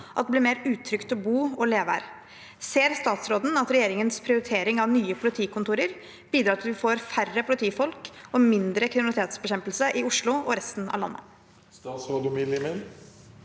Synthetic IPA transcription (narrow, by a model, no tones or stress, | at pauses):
ʔɑt̪̚d̪ɛblɪɾmeːɾʉːt̪ʰɾʏkt̪ɔbuːɔleːʋæ̰ːɾ | seːɾst̪ɑːt̪sɾoːd̪n̩ɑt̪ɾɛjeːɾɪŋənspʰɾɪʊɾɪt̪ʰeːɾɪŋɑʋnyːəpʰʊlɪt̪ʰiːkʊnt̪uːɾəɾ | b̥iːd̪ɾɑːɑt̪ʰɪlʋɪfoːɾfærəpʰʊlɪt̪ʰiːfɔlkɔmɪnd̪ɾəkʰɾɪnt̪eːt̪sbɛɕɛmpəlsəʔɪʊʂɭʊɔɾɛst̪nɑ̰ʋlɑ̰nːə̰ | st̪ɑːt̪sɾoːd̪ʊmɪlmɛn